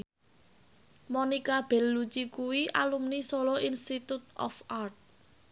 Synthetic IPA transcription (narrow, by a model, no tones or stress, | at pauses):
monikab̥ɛ̤lːut͡ʃikuwiʔa̰lumnisolɔinst̪it̪ut̪̚ʔɔ̰fart̪̚